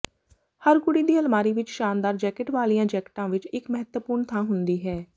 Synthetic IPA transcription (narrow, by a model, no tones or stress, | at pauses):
həɾkʊɽiːd̪iːəlmaːɾiːʋɪt͡ʃʃaːnd̪aːɾd͡ʒɛːkɪʈʋaːlijãːd͡ʒɛːkɪ̥ʈãːʋɪt͡ʃɪkməɦət̪əpuːɾɳt̪ʰãːɦʊnd̪iːɦɛː